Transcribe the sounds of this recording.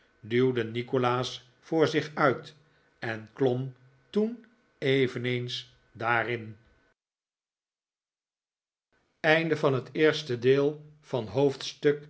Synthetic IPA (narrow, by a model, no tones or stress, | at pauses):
dywdənikolaːs | fʊːɹzɪχœɥt | ɛnklɔm | tun | ejvənejns | daːrɪn | ɛjndəvɑnɦətɪːɹstədɪːlˠ | v̥ɑnɦowftstɵk